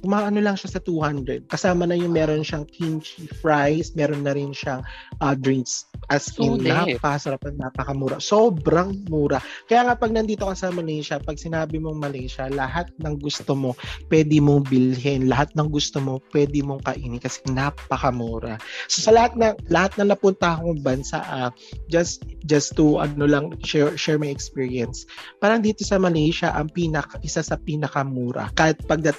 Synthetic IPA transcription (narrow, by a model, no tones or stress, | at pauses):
kʊmaːʔɐno̞lɐŋʃasɐt̪uhand̪ɾɛd̪̚kɐsaːmɐnɐjʊŋmɛːɾo̞nʃɐŋkʰint͡ʃifɾajsmɛːɾo̞nːɐɾɪnʃaŋʔɐd̪ɹiŋksʔɐsɪnnapɐkɐsɐɾapɐnnɐpɐkɐmuːɾɐsoːbɾɐŋmuːɾɐkɐjaːŋɐpɐɡ̚nɐnd̪iːt̪o̞kɐsaːmɐnɛʃɐpɐɡ̚sɪnaːbɪmo̞ŋmɐlɛʃɐlɐhat̪̚nɐŋɡʊst̪omo̞pwɛːd̪ɪmoŋbɪlɦɛnlɐɦat̪̚nɐŋɡʊst̪omo̞pwɛːd̪ɪmo̞ŋkɐʔiːnɪkɐsɛ̥ŋnapɐkɐmuːɾɐso̞sɐlɐhat̪̚nɐŋlɐhat̪̚nɐŋnɐpʊnt̪ahkoŋbɐnsa̰ʔɐ | d͡ʒɐst̪d͡ʒɐst̪uɐ̰nolɐŋʃɛɹʃɛɹmajɛkspiːɹiɛnspaːɾɐŋd̪iːt̪o̞sɐmɐlɛjʃɐʔɐŋpiːnɐkɐʔɪsasɐpiːnɐkɐmuːɾɐ̰kaːɪt̪̚pɐɡ̚d̪ɐt̪